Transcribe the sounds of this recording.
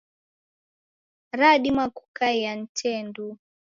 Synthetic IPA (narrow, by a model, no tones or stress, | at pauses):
ɾaɗimaku̥kajan̩tʰɛndu